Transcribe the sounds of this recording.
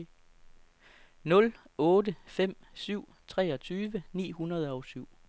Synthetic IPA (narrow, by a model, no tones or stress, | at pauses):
nɔ̽lɔ̽ːdəfem̰syʊ̰ | t͡sʰʁɛːɒ̽t͡sʰyːʋənḭːhunɐð̞ˠəɒʊsyʊ̰